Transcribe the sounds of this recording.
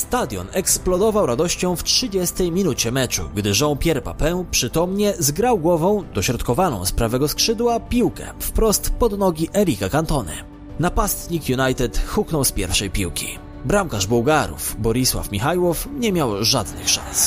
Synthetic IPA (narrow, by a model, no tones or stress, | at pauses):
st̪ad̪ʲjɔ̰nɛksplɔd̪ɔvawɾad̪ɔɕt͡ɕɔ̃w̃ftʂɘd͡ʑɛst̪ɛjmʲinut͡ɕɛmɛt͡ʂṵɡd̪ɘʐɔ̃w̃pʲjɛɾpa̰pɛwpʂɘt̪ɔmɲɛzɡɾawɡwɔvɔ̃w̃d̪ɔɕɾɔt̪kɔvanɔ̰̃w̃spɾavɛɡɔskʂɘd̪wapʲiwkɛ̰fpɾɔst̪pɔd̪nɔɡʲiʔɛɾʲikakant̪ɔnɘ̰ | napast̪ɲikjunajt̪ɛt̪xuknɔwspʲjɛ̰ɾfʂɛjpʲiwkʲḭ | bɾamkaʐbɔwɡaɾṵfbɔɾiswa̰fmʲixajwɔfɲɛmʲjawʐad̪nɘ̰xʂã̰ñs